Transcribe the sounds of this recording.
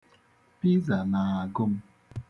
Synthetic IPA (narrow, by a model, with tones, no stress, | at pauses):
pi˦za˨na˨a˨ɡʊ˦m̩˦